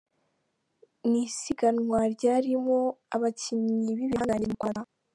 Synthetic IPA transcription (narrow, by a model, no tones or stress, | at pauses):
nisiɡanŋwaɾɟaːɾimoaβaciɲɲiβiβiɦaŋɡaɲimkaɾa